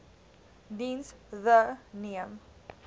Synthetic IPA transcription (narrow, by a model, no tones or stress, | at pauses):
d̪ĩːnsðəniə̃m